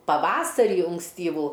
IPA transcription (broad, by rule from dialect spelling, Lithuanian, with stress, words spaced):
pɐˈʋɑːsɐrʲiː ʊŋksʲˈtʲiːʋuː